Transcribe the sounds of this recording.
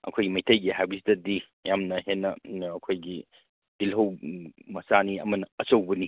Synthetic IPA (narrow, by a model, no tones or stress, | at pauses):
ɐ̰kʰojɡimɐjtʰɐjɡiɦajbɐsi̥dɐdi | jamnɐɦenːɐːkʰojɡi | d̥ilɦɐwmɐsaniɐmɐnɐɐt͡ʃɐwbɐni